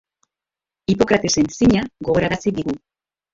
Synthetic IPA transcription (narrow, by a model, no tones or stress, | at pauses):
ipo̞kɾat̪e̞se̞nsiɲaɣo̞ɣo̞ɾaɾasiðiɣu